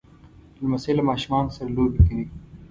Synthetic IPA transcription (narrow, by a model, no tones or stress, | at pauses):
lmɐselɐmɑːʃumɑːnsɐɾɐloːbikini